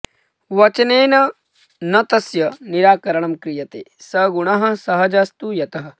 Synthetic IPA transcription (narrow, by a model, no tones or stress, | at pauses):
ʋɐt͡ʃɐneːnɐ | nɐt̪ɐsjɐniɾaːkɐɾɐɳɐmkɾijɐt̪ḛːsɐɡuɳɐɦɐ̆sɐɦɐd͡ʒaːst̪ujɐt̪ɐɦɐ̆